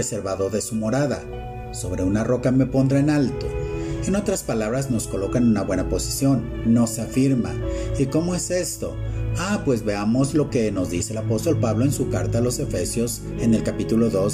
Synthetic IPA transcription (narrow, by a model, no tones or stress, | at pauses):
ese̞ɾβaðo̞ɾðe̞sumo̞ɾaða̰ | so̞βɾe̞unaro̞kame̞po̞nd̪ɾaenalt̪o̞eno̞t̪ɾaspalaβɾazno̞sko̞lo̞kaenunaβwe̞napo̞si̥sjo̞nː | o̞seafiɾma̰iko̞mo̞e̞se̞st̪o̞̰apwe̞zβe̞amo̞zlo̞ke̞no̞zðise̞elapo̞st̪o̞lpaβlo̞e̞nsukaɾt̪alo̞se̞fe̞sjo̞s | e̞ne̞lkapit̪ulo̞ðo̞s